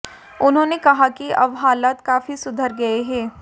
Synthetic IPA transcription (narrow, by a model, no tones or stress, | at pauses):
ʊnɦõːnekɐɦakiɐbɦaːlaːt̪kaːfisʊd̪ʱəɾɡɐeɦɛː